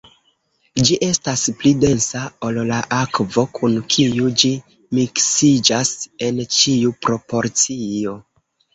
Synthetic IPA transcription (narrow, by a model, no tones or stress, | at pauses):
d͡ʒiʔe̞stasplide̞nsao̞llaʔakvo̞kʰunkʰiud͡ʒi | miksid͡ʒase̞nt͡ʃiupɾo̞po̞ɾt͡sio̞